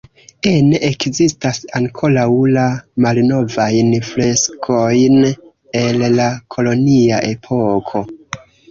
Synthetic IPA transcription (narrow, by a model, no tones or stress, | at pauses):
eneʔekzistasaŋkʰo̞lawlamalno̞vajnfle̞skʰo̞jn | e̞lːakʰo̞lo̞nia̰ʔe̞pʰo̞kʰo̞